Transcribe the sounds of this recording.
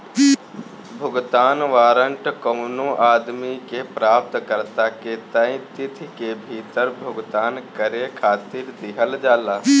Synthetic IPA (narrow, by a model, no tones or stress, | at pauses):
bʱʊɡt̪aːnʋaːɾəɳʈkoʊnõʔaːd̪mikepɾaːp̚t̪kəɾt̪aket̪aːĩt̪ɪt̪ʰkebʱiːt̪əɾbʱʊɡt̪aːnkəɾekʰaːt̪iːɾd̪ɪɦəld͡ʒaːlaː